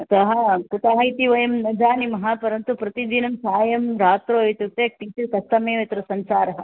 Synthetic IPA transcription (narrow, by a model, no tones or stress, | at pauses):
ɐt̪ɐɦɐkut̪ɐɦɐjt̪iʋɐjɐmnɐd͡ʒaːnimɐɦapɐɾɐnt̪upɾɐt̪id̪inɐmsaːjɐmɾaːt̪ɾoːit̪ut̪ek̚ʈiːt͡ʃikɐst̪ɐmeːʋɐt̪ɾɐsɐnsaːɾɐɦɐ